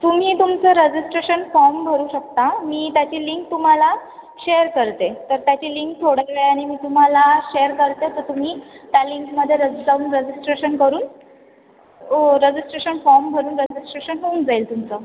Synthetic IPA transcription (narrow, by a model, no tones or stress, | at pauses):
t̪um̤iːt̪umt͡səɾəd͡ʑisʈɾeɕənfɔɾmbʱəɾuːɕək̚t̪amiːt̪jat͡ɕiliŋk̚t̪um̤ala | ɕejəɾkəɾt̪et̪əɾt̪jat͡ɕiliŋk̚t̪ʰoɽəəeaɽ̃imiːt̪um̤alaɕejəɾkəɾt̪et̪əɾt̪um̤iːt̪jaliŋkməd̪ʱːjeɾəd͡zauːnɾəd͡ʑisʈɾeɕənkəɾuːn | oɾəd͡ʑisʈɾeɕənfɔɾmbʱəɾuːnɾəd͡ʑisʈɾeɕənɦound͡zailt̪umt͡sə